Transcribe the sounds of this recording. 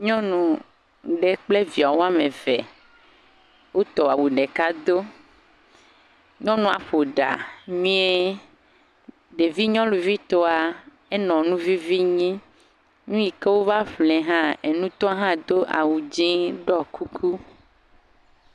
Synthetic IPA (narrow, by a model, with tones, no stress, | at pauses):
ɲɔ̃˦nũ˨ | ɖe˨k͡ple˦vi˨a˨wo˦a˦mẽ˨vɛ˨ | wo˦t̪ɔ˨a˨wu˨ɖɛ˨ka˦d̪o˦ | ɲɔ̃˦nũ˨a˨ɸo˨ɖa̰˨mĩ˦e˦ | ɖe˨vi˦ɲɔ̃˦lu˨vi˦t̪ɔ˦a˨ | ɛ˦nɔ̃˨nũ˦vi˦vi˦ɲĩ˦ | nũ˦ji˨ke˦wo˦va˦ɸlɛ̃˨ɦã˦e˨nũ˦t̪ɔ˦a˦ɦã˦d̪o˦ʔa̰˨wu˨d͡ʒĩ˦ɖɔ˦kʰu˦kʰu˦